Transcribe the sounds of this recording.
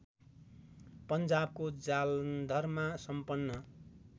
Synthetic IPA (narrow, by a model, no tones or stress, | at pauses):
pʌnd͡zab̚kod͡zald̪ʱʌrmasʌmpʌnːʌ